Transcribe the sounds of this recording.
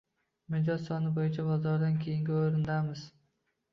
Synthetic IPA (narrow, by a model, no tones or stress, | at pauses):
mɪd͡ʒɒzsɒnɪbojɪt͡ʃʰabɒzɒɾd̪ankʲʰejɪŋɡʲɪoɾɪnd̪amɪz̥